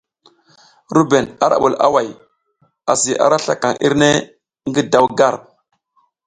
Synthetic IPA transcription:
ɾu˦be˨na˦ɾa̰˨ɓu˨la̰˦wa˨j | a˨si˨ʔa̰˨ɾa˦ɬa˨ka˨ŋʔḭ˦ɾne˦ | ŋɡi˦da˦wɡa˦˨ɾ

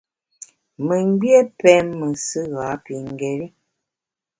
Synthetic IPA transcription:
mə˨ŋ˦ɡ͡bje˦pɛ˨˦mːə˨sə˦ɣa˨˦pi˨ŋ˨ɡɛ˨ɾi˦

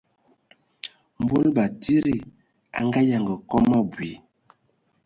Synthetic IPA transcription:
m˨bo˦lba˨ti˦ɾi˦ | a̰˨ŋɡa˦ja˨ŋɡə˨kɔ˦ma˦bwi˨

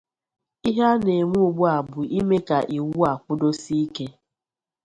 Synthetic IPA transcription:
i˦ɦa˦ne˨mu˦u˨ɡ͡bʊ˦a˨bʊ˨ʔi˦me˦ka˨ʔi˨wu˦a˨kʷʊ˦do˦si˦ke˦

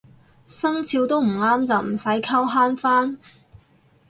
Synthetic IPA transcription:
sɐ˥ŋt͡sʰiː˧wt̪o˥wm̩˨˩ŋaː˥mt͡sɐ˨wm̩˨˩sɐ˨˥jkʰɐ˥wɦaː˥nfaː˥n

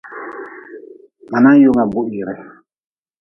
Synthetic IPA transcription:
ma˨na˦jo˦˨ŋa˨bu˦ʔji˨ɾɛ˨

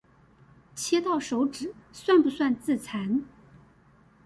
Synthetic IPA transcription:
t͡ɕʰjɛ˥t̪ɑ˥˩ʊʂo˧˥ʊʈ͡ʂɻ̩˨˩˦swa˥˩npu˧˥swa˥˧nt͡sɹ̩˥˩t͡sʰa˧˥n

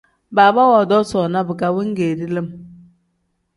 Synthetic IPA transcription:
baː˨ba˦wɔ˨dɔ˦sɔ˨na˦bɨ˨ka˦wi˦ŋ̩˦ɡeː˨di˦lə˦m

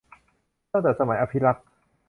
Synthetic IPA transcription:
t̪a˥˩t̪ɛː˨˩t̪̚sa˧ma˩˦jʔa˧pʰi˦˥ɾa˦˥k̚

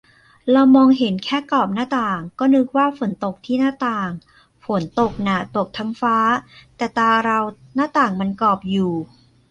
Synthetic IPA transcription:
ɾa˧wmɔː˧ŋɦe˩˦nkʰɛː˥˩kɔː˨˩p̚naː˥˩t̪aː˨˩ŋkɔː˥˩nɯ˦˥k̚waː˥˩fo˨˩˦nt̪o˨˩k̚t̪ʰiː˥˩naː˥˩t̪aː˨˩ŋ | fo˩˦nt̪o˨˩k̚na˨˧˩t̪o˨˩k̚t̪ʰa˧mfaː˦˥t̪ɛː˨˩t̪aː˧ɾa˧wnaː˥˩t̪aː˨˩ŋma˧nkɔː˨˩p̚juː˨˩

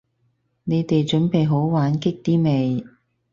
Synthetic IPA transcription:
ne˨˧jt̪e˨jt͡ʃɵ˨˥npe˨jɦo˨˥wwaː˨˥nkɪ˥k̚t̪iː˥me˨˧j

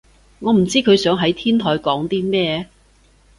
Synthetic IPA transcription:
ŋɔː˨˧m̩˨˩t͡siː˥kʰɵ˨˧ɥsœː˨˥ŋɦɐ˨˥jt̪ʰiː˥nt̪ʰɔː˨˧jkɔː˨˥ŋt̪iː˥mɛː˥˧

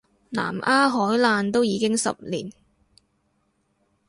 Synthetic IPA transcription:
na̰ː˨˩mʔaː˥ɦɔː˨˥jlaː˧nt̪o˥wjiː˨˧kɪ˥ŋsɐ̰˨p̚liː˨˩n

